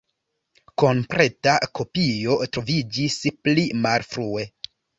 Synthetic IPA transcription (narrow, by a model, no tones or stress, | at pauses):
ko̞mpɾe̞tako̞pijo̞tɾo̞vid͡ʒisplimalfɾue̞